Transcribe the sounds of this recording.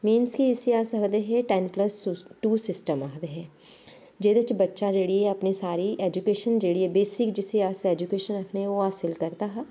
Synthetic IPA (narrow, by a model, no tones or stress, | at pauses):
mĩːnskiɪsiaːsɐkd̪eɦɛ̃ʈɛːnpləsʈuːsɪsʈəmaːkʰd̪eɦɛ̃ː | d͡ʒeːd̪et͡ʃbɐtːʃad͡ʒeːɽieɐpnisaːɾiʔeːd͡ʒukeːʃənd͡ʒeːɽiebeːsɪkd͡ʒɪsiaːseɛːd͡ʒukeːʃənɐkʰneoaːsɪlkɐɾt̪aɦɛ